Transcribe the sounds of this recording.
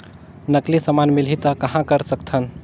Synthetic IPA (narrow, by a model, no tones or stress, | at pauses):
nəklisəmanmilit̪əkəɦãkəɾsəkt̪ʰən